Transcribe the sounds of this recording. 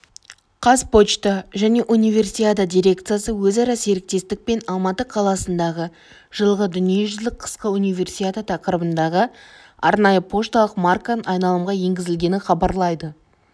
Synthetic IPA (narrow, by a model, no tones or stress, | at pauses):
qʰɑspo̞t͡ʃt̪əʒæne̞ʔunijvʲe̞rsiad̪ad̪ʲijɾʲe̞kt̪sɨjasəwɵzɑɾɑse̞ɾɪk̚t̪e̞st̪ɪk̚pe̞nɑlˠmɑt̪əqʰɑlˠɑsənd̪ɑʁə | ʒ̥əlˠʁəd̪ʏnije̞ʒʏzlɪk̚qʰə̥sqəunijvʲe̞rsijad̪at̪ʰɑqəɾəbənd̪ɑʁə | ɑɾnɑjəpʰo̞ʃt̪ɑlˠəqmarkanɑjnɑlˠəmʁɑje̞ŋɡʲɪzɪlɡʲe̞nɪχɑbɑɾlˠɑjd̪ə